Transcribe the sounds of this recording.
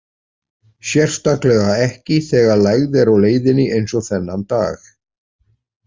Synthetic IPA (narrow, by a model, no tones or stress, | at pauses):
sjɛr̥st̪aklɛɣaɛhcɪθɛːɣalaɣðɛɾawleːjðɪnːɪʔejnsɔθɛnːant̪a̰ːx